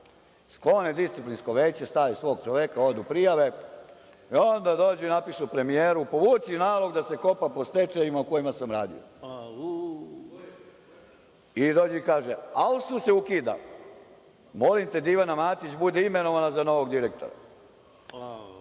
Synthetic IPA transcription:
sklo̞ned̪ist̪siplinsko̞ʋe̞ːt͡ɕest̪aːʋisʋo̞ːɡ̚t͡ʃoʋekao̞d̪upɾijaʋe̞ | io̞nd̪ad̪o̞ːd͡ʑuinapiʃupɾe̞mijeːɾupo̞ʋuːt͡ʃ̪inaːlˠo̞ɡd̪ase̞ko̞papo̞st̪e̞t͡ʃejimauko̞jimasamɾaːd̪ḭo̰ | id̪o̞ːd͡ʑikaːʒealsuse̞ukiːd̪a̰ | mo̞limt̪e̞d̪iʋanamaːt̪it͡ɕbud̪eime̞no̞ʋanazano̞ʋo̞ɡd̪iɾek̚t̪o̰ɾa̰

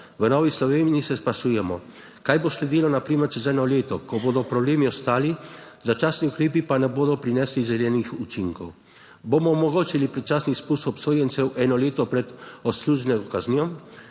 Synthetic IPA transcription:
ʋənɔːʋislɔʋeːniisɛspasuːjɛmɔ | kaːjboːslɛd̪ilɔnapɾiːməɾt͡ʃɛzɛnɔleːt̪ɔkɔboːd̪ɔpɾɔbleːmiɔst̪aːli | zat͡ʃaːsniukɾeːpipanɛboːd̪ɔpɾinɛslizɛlɛːnixut͡ʃiŋkɔw | boːmɔɔmɔɡoːt͡ʃilipɾɛt͡ʃaːsnixspusɔpsoːjɛnt̪sɛwʔɛːnɔleːt̪ɔpɾɛt̪ɔsluːʒnɛɡɔkaznijɔ

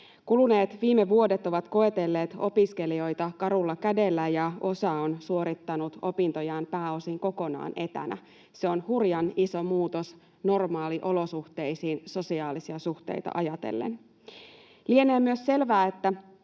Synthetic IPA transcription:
kuluneːt̪ʋiːmeʋuo̞det̪o̞ʋɑt̪ko̞e̞t̪e̞lːe̞ːt̪o̞piske̞lio̞jt̪ɑkɑɾulːɑkæde̞lːæjɑo̞sɑonsuo̞ɾit̪ːɑnut̪o̞pint̪o̞jɑːmpæːo̞siŋko̞ko̞nɑ̰ːnet̪æ̰næ̰ | seonhurjɑniso̞muːt̪os | no̞rmɑːliʔo̞lo̞suht̪eijsiːnso̞siɑːlisiɑsuht̪ḛjt̪ɑ̰ʔɑjɑt̪ḛlːḛn | lieneːmyøsse̞lʋæːet̪ːæ

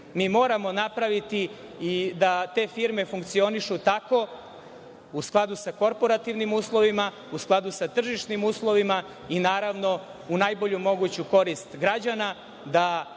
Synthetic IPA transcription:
miːmo̞ːɾamo̞napɾaʋit̪iː | d̪at̪e̞ːfiɾme̞fuŋkt̪sio̞niʃut̪ako̞ | usklˠad̪usako̞ɾpo̞ɾat̪iʋnimuːslˠo̞ʋima | usklˠad̪usat̪r̩ʒiʂnimuːslˠo̞ʋima | inaːɾaʋno̞ | unajbo̞ʎumo̞ɡut͡ɕuko̞ɾist̪ɡɾad͡ʑana | d̪a

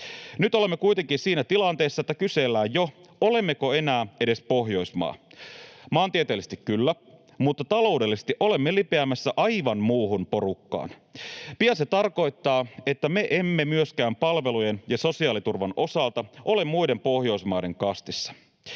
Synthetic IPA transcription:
nyt̪ole̞mːe̞kujt̪e̞ŋkinsiːnæt̪ilɑnt̪e̞ːsːɑet̪ːækyse̞lːæːjjo̞ole̞mːe̞ko̞e̞næːe̞de̞spo̞ɦjo̞jsmɑ̰ː | mɑːnt̪iet̪eːlːise̥t̪ikkːylːæ | mut̪ːɑt̪ɑlo̞ude̞lːisest̪iʔo̞le̞mːelipeæmæsːæʔɑjʋɑnmuːɦunpo̞ɾukːɑ̰ːn | piɑset̪ɑrko̞jt̪ːɑːe̞t̪ːæme̞ʔe̞mːe̞myøskæːmpɑlʋe̞lujenjɑso̞siɑːlit̪urʋɑnʔo̞sɑlt̪ɑʔo̞le̞mːujde̞mpo̞hjo̞jsmɑːjde̞ŋkɑst̪isːɑ̥

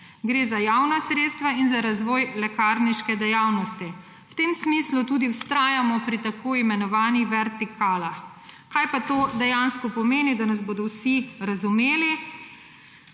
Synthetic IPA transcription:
ɡɾeːzajawnasɾet̪st̪ʋainzaɾazʋɔːjlɛkaːɾniʃkɛd̪ɛjaːwnɔst̪i | wt̪emsmislut̪uːd̪iwst̪ɾaːjamɔpɾit̪akʰoːimɛnɔʋaːniʋɛɾt̪ikʰaːlax | kajpat̪oːd̪ɛjanskɔpɔmeːnid̪anazboːd̪ɔwsiɾazumeːli

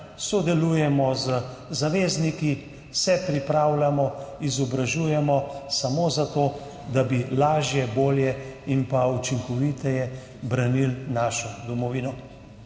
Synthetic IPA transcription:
sɔd̪ɛluːjɛmɔzə | zaʋeːzniki | sɛpɾipɾaːwlamɔizɔbɾaʒuːjɛmɔsamoːzat̪oː | d̪abilaːʒjɛboːljɛimpaut͡ʃiŋkɔʋit̪ɛjɛ | bɾanilnaːʃɔd̪ɔmɔʋiːnɔ

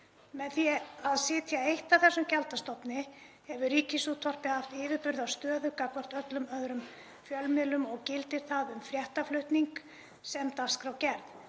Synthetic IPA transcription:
mɛðθjɛaðsɪːt̪jaejht̪aθɛsʏmcɛlt̪ast̪ɔpnɪ | hɛvʏɾiːcɪsut̪ʰvɔr̥pɪhaft̪ɪːvɪɾpʏɾðawst̪œːðʏkakvar̥t̪œt̪lʏmœðɾʏm | fjœlmɪðlʏmɔɣcɪlt̪ɪɾ̥θaðʏmfɾjɛht̪aflœht̪niŋk | sɛmt̪askɾawcɛɾð

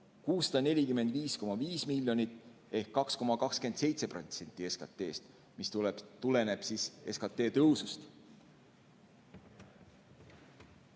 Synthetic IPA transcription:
kuːsːɑd̪̥ɑne̞lʲikymend̪viːsko̞mɑviːsmilʲjo̞nit̪ːˑe̞hkːɑksko̞mɑkɑkske̞nd̪se̞jt̪se̞prot̪se̞nʲt̪ːˑieskɑ̰t̪ːˑe̞ːst̪ | mist̪t̪ule̞ne̞b̥sise̞skɑt̪ːˑe̞ːt̪ɤwsust̪

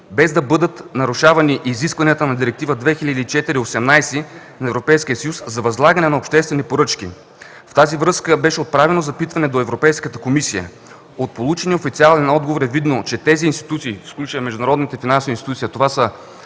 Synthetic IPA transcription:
bɛzd̪ɐbɤd̪ət̪nɐɾuʃavɐniʔiziskvɐniət̪ənɐd̪iɾɛk̚t̪ivəd̪vɛxilʲɐd̪iːt͡ʃɛt̪iɾiosɛmnajsi | nɐɛvɾopɛjsk̟iəsɐjuszɐvɐzlˠaɡənɛnɐopʃt̪ɛst̪vɛnipoɾɤt͡ʃk̟ḭ | ft̪azivɾɤskəbɛʃɛot̪̚pɾavɛnozɐpit̪vɐnɛd̪oɛvɾopɛjskət̪əkomisijə̰ | ot̪̚polˠut͡ʃɛniofit̪sialˠɛnɔd̪ɡovoɾɛvid̪not͡ʃɛt̪ɛziːnst̪i̥t̪ut̪siːfsklʲut͡ʃəmɛʒd̪ʊnɐɾɔd̪nit̪ɛfinansovinst̪it̪ut̪siət̪ovasə

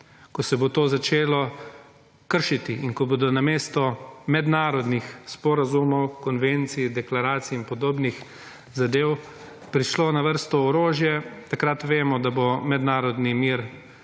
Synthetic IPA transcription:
kɔsɛbot̪oːzat͡ʃeːlɔ | kəɾʃit̪iinkɔboːd̪ɔnameːst̪ɔmɛd̪naːɾɔd̪nixspɔɾazumɔwkɔnʋent̪sid̪ɛklaɾaːt̪siːnpɔd̪oːbnix | zad̪eːw | pɾiʃloːnaʋəɾst̪ɔːɾoːʒjɛt̪akɾat̪ʋeːmɔd̪abomɛd̪naːɾɔd̪nimiːɾ

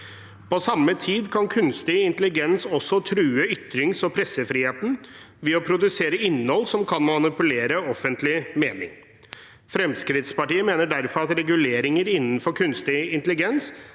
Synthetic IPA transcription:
pʰɔsɑmːət̪ʰiːd̪kʰɑnkʰʉnst̪ɪɪnt̪əlɪɡɛnsɔsːɔt̪ʰɾʉːəʏt̪ɾɪŋsɔpʰɾɛsːəfɾiːheːt̪n̩ | ʋɪːɔpʰɾʊd̪ʉseːɾəɪnːhɔlːsɔmkʰɑnmɑnɪpʉleːɾəɔfːənt̪lɪmeːnɪ̰ŋ | fɾɛmskɾɪt̪spɑʈiːəmeːnəɖæɾfɔɾɑt̪ɾɛɡʉleːɾɪŋəɾɪnːən̩fɔɾkʰʉnst̪ɪɪnt̪əlɪɡɛns

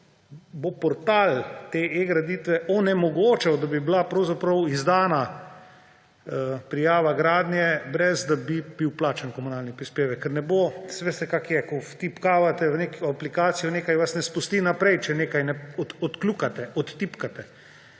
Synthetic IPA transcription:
bopɔɾt̪alt̪eeɡɾad̪it̪ʋɛʔɔnɛmɔɡoːt͡ʃɛwd̪abiblapɾɐwzapɾɐwizd̪aːna | əpɾijaːʋaɡɾaːd̪njɛbɾɛzd̪abibiwplaːt͡ʃankɔmunaːlnipɾispeːʋɛkːɛɾnɛbosʋeːst̪ɛkakjɛkɔft̪ipkaːʋat̪ɛʋnekoaplikaːt̪sijɔneːkajʋasnɛspust̪inapɾɛjt͡ʃɛneːkajnɛɔɔt̪klukat̪ɛʔɔt̪ːipkat̪ɛ

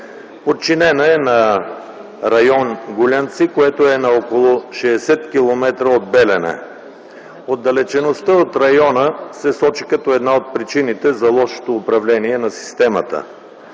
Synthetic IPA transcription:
pot̪̚t͡ʃinɛnɐɛnɐ | ɾɐjɔnɡʊlʲant̪sikoɛt̪oɛnɐɔkolˠoʃɛːsɛt̪kʲilˠomɛt̪ɾəod̪̚bɛlɛnɛ̰ | od̪ːɐlɛt͡ʃɛnost̪əot̪ɾɐjɔnəsɛsɔt͡ʃikɐt̪ɔɛd̪naot̪̚pɾit͡ʃinit̪ɛzɐlˠɔʃo̥t̪oːpɾɐvlɛniɛnɐsi̥st̪ɛmə̰t̪ə̰

